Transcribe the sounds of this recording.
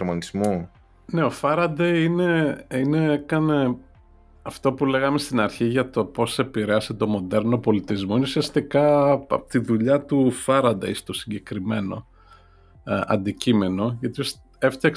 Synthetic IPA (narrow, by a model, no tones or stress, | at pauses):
omɐnizmo | ne̞o̞fɐɾɐd̪ejine̞ine̞ekɐne̞ | ɐft̪o̞pule̞ɣɐme̞st̪inɐɾçiʝɐt̪o̞po̞se̞piɾeɐset̪o̞mo̞ðe̞ɾno̞po̞lit̪izmo̞ineusiɐst̪ikɐ̰pot̪iðuʎɐt̪ufɐɾɐd̪eist̪o̞siɲɟe̞kɾime̞no̞̰ | ɐ̰nd̪icime̞no̞ʝɐt̪ios | e̞ft̪ɐk